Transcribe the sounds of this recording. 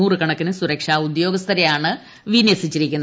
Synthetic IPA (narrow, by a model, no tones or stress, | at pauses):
uːrɨkɐɳɐkːinɨsuɾɐkʂaːud̪jo̞ːɡɐst̪ʰɐɾɐjaːɳɨ | ʋinjɐsit͡ɕːiɾikʲːunː